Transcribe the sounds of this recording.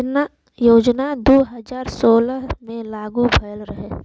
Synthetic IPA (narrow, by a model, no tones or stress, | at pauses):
joːd͡ʒnad̪oːɦɐzaːɾsoːləɦmẽlaːɡubʱɐjəlɾəɦe